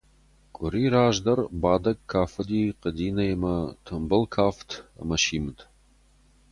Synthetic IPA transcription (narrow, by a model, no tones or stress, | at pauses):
kʷʼʊɾiːɾaːʒdɐrbaːdɐkkʰːaːfɨdiːqədiːnɐjmɐtʰɨmbɨlkʰaːftʰɐ̰mɐʃiːmɨtʰʼ